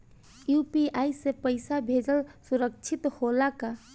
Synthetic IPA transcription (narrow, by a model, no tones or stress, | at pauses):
jupiajsepəɪsabʱed͡ʒəlsuɾək̚t͡ʃʰit̪holaka